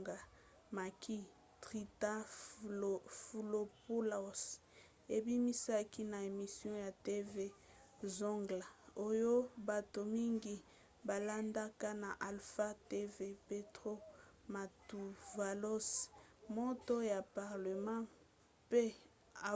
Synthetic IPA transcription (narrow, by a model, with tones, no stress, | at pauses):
ɡa˨ | ma˨kʰi˦ | tʁi˨ta˦ | fu˨lo˨po˦lo˨s | e˨bi˦mi˦sa˦ki˦na˨e˨mi˨sjɔ̃˦ja˨te˦ve˦ | zo˦ŋɡla˨o˦jo˦ba˨to˨mi˦ŋɡi˦ | ba˨la˦nda˦ka˦na˨ʔa˨lfa˦te˦ve˦pe˦tʁo˦ | ma˨tu˨va˨lo˦smo˦to˦ja˨pa˨ʁle˨mã˦ | pe˦ | a˨